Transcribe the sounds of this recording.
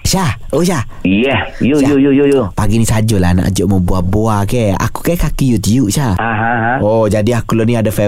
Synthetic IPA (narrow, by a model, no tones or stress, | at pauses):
ʃahoʃah | jɛsjoajojojojopaɡinisad͡ʒɔla̰na̰ʔd͡ʒɔʔməbuahboakɛa̰ku̥kɛkakijut̪iuʔʃaaɦãɦod͡ʒadiakulɔniadafɛ